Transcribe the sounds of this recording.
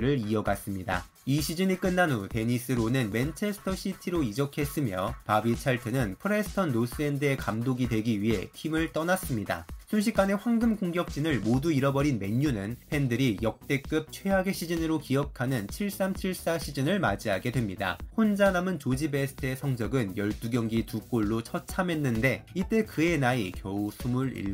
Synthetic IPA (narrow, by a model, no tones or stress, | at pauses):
ɾɯɾiʌɡas͈ɯmɲida̰ | iɕʰid͡ʑɯɲik͈ɯnːanote̞ɲis͈ɯɾonɯnme̞nt͡ɕʰe̞sʰɯ̥tʰʌɕ͈ʰitʰiɾoid͡ʑʌkʰe̞s͈ɯmjʌ̰pabit͡ɕʰaɭtʰɯnɯnpʰɯɾe̞sʰɯ̥tʰʌnːos͈ɯendɯe̞kamdoɡidwe̞ɡiɥiɦe̞̰tʰimɯɭt͈ʌnas͈ɯmɲida̰sʰunɕ̬ʰik͈ane̞ɸwaŋɡɯmkoŋɡjʌk̚t͡ɕ͈inɯɭmoduiɾʌbʌɾinme̞ɲːunɯnpʰe̞ndɯɾijʌk̚t͈e̞k͈ɯp̚t͡ɕʰweɦaɡe̞ɕʰid͡ʑinɯɾokiʌkʰanɯnt͡ɕʰiɭs͈amt͡ɕʰiɭs͈aɕʰid͡ʑinɯɭma̰d͡ʑiɦaɡe̞dwe̞mɲida̰hond͡ʑanamɯnt͡ɕod͡ʑibe̞sʰɯ̥tʰɯesʰʌŋd͡ʑʌɡɯnjʌɭt͈uɡjʌŋɡituk͈oɭːot͡ɕʰʌt͡ɕʰame̞nːɯnde̞it͈e̞kɯe̞naikjʌusʰumɯɾḭɭ